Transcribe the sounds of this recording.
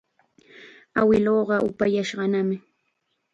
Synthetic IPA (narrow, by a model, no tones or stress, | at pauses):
awɪloːɢɑʔʊ̰pajaʃɢɑnamɪ